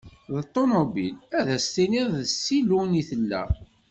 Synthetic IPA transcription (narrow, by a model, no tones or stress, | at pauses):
ðt̪ˤːomobḭlæðæst̪iniððəsːiluniθəlːæ̰